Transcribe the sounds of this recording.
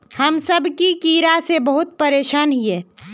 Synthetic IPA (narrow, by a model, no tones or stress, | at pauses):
həmsəbʱkikiːɾasebəɦʊt̪̚pəɾeːʃaːnɦiɛː